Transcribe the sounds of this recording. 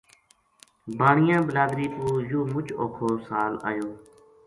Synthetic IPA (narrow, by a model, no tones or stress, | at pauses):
baːɳɪjãːbəlaːd̪ɾiːt̪uːjuːmʊt͡ʃoːkʰoːsaːla̰ːjoː